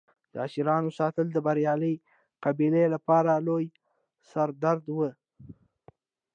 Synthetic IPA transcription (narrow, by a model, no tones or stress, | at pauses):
d̪̥əaʃɪɾɑnosɑt̪əld̪əbaɾjɑləj | qabilelapɑɾaloj | saɾd̪aɾd̪wə